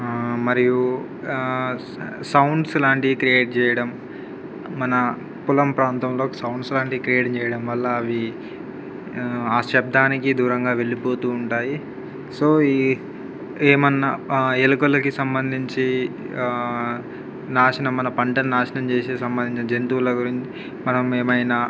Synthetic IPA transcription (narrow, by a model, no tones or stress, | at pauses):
mɐɾiju | sɐwɳɖsilaːɳʈikɾijeːʈ̚t͡ʃɛːjɐɽɐmː | ɐnɐ | pulɐmpɾaːnt̪ɐmlo̞ːki̥sɐwɳɖslaːɳʈikɾijeːʈt͡ʃɛːjɐɽɐmʋɐlːɐːʋi | aːsʃɛb̚d̪aːnikid̪uːɾɐŋɡaːʋe̞ɭipo̞ːt̪uːɳʈaːji | so̞ː | eːmɐnːɐelɐkɐlɐkisɐmbɐnd̪ʱiɲt͡ʃi | naːʂɐnɐmːɐnɐpɐɳʈɐnnaːʃɐnɐmt͡ʃeːseːsɐmbɐnd̪ʱiɲt͡ʃinɐd͡ʒent̪uːlɐɡuɾiɲt͡ʃi̥ | mɐnɐmeːmɐjnɐ